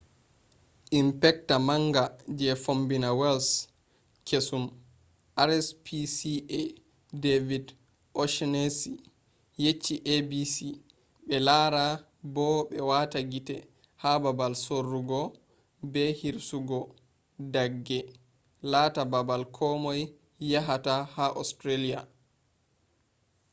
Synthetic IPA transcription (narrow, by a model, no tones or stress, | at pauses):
ʔimpɛk̚tamaŋɡad͡ʒɛfombinawɛls | kʰesum | ʔaɾɛspisiɛ | devid | ʔɔʃnesi | jet͡ʃːiʔebisi | ɓɛlaɾa | bɔɓɛwataɡitɛ̰ | hababalsorːuɡɔ | bɛhiɾsuɡɔ | daɡːɛ | latababalkʰɔmɔjː | aɦatahaʔɔstɾelia̰